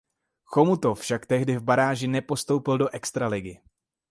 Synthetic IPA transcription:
xomut̪ofʃakt̪ɛɦdɪvbaɾaːʒɪnɛpo̞st̪o̞wpɪldo̞ʔɛkst̪ɾalɪɡɪ

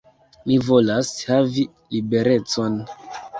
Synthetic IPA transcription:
mivo̞lashavi | libe̞ɾe̞t͡so̞n

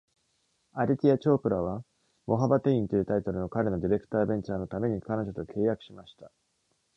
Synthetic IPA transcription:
aɾʲit̪ʲiat͡ɕo̞ːpɯ̟ɾaβ̞a | mo̞ɦabat̪e̞ĩnt̪ojiɯ̟t̪ait̪o̞ɾɯ̟no̞kaɾe̞no̞d̪ʲiɾe̞kɯ̟̥t̪aːbẽ̞ɲ̟t͡ɕaːno̞t̪ame̞ɲ̟ikano̞ʑo̞t̪o̞kʰe̞ːjakɯ̟̥ɕimaɕi̥t̪ḁ

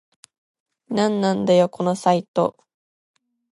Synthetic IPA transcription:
nãnːãnd̪ajo̞kʰo̞no̞sait̪o̰

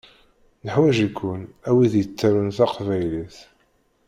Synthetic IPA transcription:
nəħwæʒikʷːʊnæwiðjət͡sːaɾʊnθaqvæjliθ

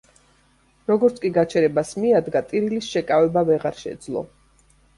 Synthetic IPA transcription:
ɾɔɡɔɾt̪sʰkʼiɡat͡ʃʰɛɾɛbasmiad̪ɡat̪ʼiɾilisʃɛkʼavɛbavɛʁaɾʃɛ̰d̪zlˠɔ̰

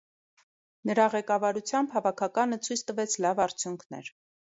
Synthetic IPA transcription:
nəɾɑʁɛkɑvɑɾut͡sʰjɑmbɦɑvɑkʰɑkɑnət͡sʰujt͡sʰt̪əvɛt͡sʰlɑvɑɾt͡sʰjuŋkʰnɛ̰ɾ

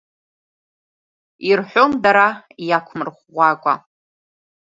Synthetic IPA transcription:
irħʷomdaɾajakʷʰmɨrχːʷakʷʼa̰

